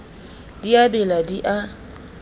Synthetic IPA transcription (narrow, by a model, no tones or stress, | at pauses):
d̥iabɛladiʔa